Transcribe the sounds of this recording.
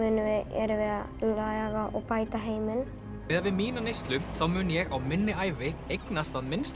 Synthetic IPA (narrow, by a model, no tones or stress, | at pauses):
ʏnʏvɪɛ̰ɾvɪða | laːɣɣaʔɔɣpaːjt̪aɦeːjmɪn | ɪːðavɪðmiːnanejst̪lʏmθawmʏːnjɛɣawmɪnːɪaːjvɪejknast̪aðmɪnst̪